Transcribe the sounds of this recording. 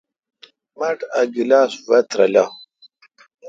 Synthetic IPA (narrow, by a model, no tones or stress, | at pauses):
mɐʈɐɡilaːswɐt̪ɾɐ̰la